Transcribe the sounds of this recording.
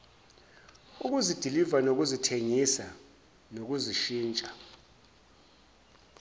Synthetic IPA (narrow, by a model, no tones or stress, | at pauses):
uk̬uzid̥ʱilivanok̬uzitʰeŋisa | nok̬uziʃiːnt͡ʃʼa